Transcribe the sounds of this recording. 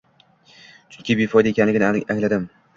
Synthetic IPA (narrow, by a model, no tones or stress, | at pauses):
t͡ʃʰʊŋkʲɪbefɒjd̪aekʲʰanlɪɡʲɪnaŋlad̪ɪm